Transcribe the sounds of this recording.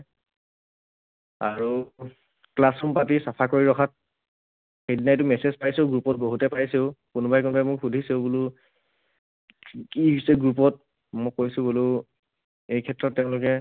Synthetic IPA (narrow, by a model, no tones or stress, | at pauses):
aɹu | klasɔmpatisapʰakoɹiɹɔkʰat̚ | hednajtʊmɛsezpajseʊɡɹupɔt̚boɦutɛpajseʊkʊnbajkʊnbajmʊkxudʱiseʊbulʊ | kiɦisɛɡɹup̬ɔt̚ | mokojsʊboleʊ | ejkʰɛtɹɔtːeʊ̃lʊkɛ